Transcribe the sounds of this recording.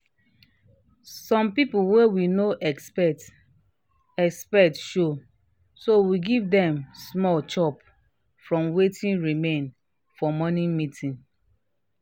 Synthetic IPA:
sɔ̃mpipuwɛwinoʔɛkspɛt | ɛkspɛtʃo | sowiɡivdɛ̃msmɔlt͡ʃɔp | fɹɔ̃mwetʰĩnɹimẽn | fɔmɔnĩmitʰĩn

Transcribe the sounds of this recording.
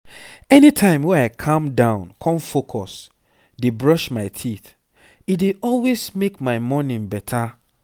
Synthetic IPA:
ɛnitʰãɪ̃mwɛ̃aɪkʰãmdãʊ̃nkʰɔ̃nfokʰɔs | debɹɔʃmaɪtʰiθ | ideʔɔlwesmekmaɪmɔnĩbɛtʰa

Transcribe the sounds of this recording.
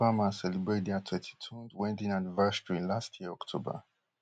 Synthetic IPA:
vamãsɛlibɹediatʰwɛ̃ntʰi̥tʰũnwɛ̃ntĩnanvastɹĩlastʰjiɹɔktʰobə̰

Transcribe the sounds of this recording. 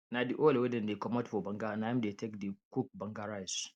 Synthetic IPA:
nadiʔolwedɛ̃ndekɔmatfɔbɐŋɡanamdetekdikuk̚bɐ̃ŋɡaɾajs

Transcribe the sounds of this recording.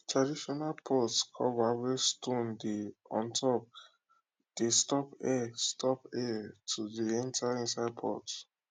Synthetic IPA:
tʰɹadiʃɔnalpʰɔtkʰɔ̰vawestõndeɔ̰̃ntʰɔp̚ | d̥estɔpɛstʰɔpɛtʰudiɛ̃ntʰaĩnsaɪd̚pʰɔ̰t

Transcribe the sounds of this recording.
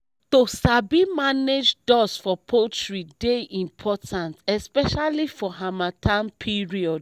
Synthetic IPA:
tosabimaned͡ʒdɔsfɔpʰotɹideʔĩmpʰɔtʰãntɛspɛʃalifɔɦamatʰãnpʰiɹiɔd

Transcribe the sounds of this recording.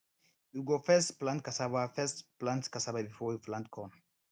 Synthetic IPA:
uɡofɛsplant̪̚kasaβafɛsplãnskasababifɔjiflant̪̚kʰɔn

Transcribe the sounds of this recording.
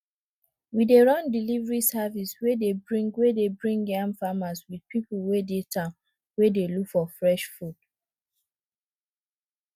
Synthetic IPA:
wideɹɔ̃ndilivɹisaviswedebɹĩŋɡwedebɹĩŋɡãmfamaswid̥̚pipulwedetʰã | wedelukfɔfɹɛʃfud̥

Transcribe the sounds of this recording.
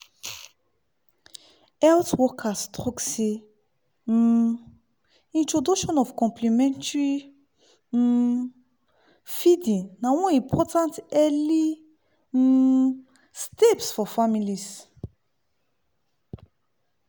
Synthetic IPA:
ɛltwɔkʰastʁɔkse | ĩntɾɔduʃɔ̃nɔfkɔ̃mplimɛ̃ntɹi | fidĩŋnawɔ̃ĩpʰɔtãntɛli | stepsfɔfamilis

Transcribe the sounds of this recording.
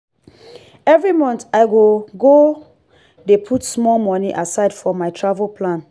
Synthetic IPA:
ɛvɹimɔ̃ntaɪɡoɡo | depʰutsmɔlmɔniʔasaɪdfɔmaɪtʰɹavəlpʰlãn

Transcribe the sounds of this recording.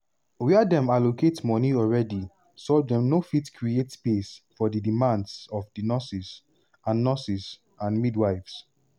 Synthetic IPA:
wɛadɛ̃maloketmɔniɔlɹɛdi | sɔlvdɛ̃mnofitkʰɹietpesfɔdidimãndsɔfdinɔsis | ãnːɔsis | ãnmidwaɪvs

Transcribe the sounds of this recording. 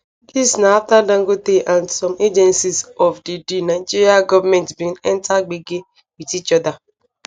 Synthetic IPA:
disnaatadaŋ̩ɡoteʔansɔmʔed͡ʒɛnsisɔfdidinad͡ʒiɾiaɡɔvamɛntbiŋɛn̩taɡ͡bɪɡɪ | bitit͡ʃɔda

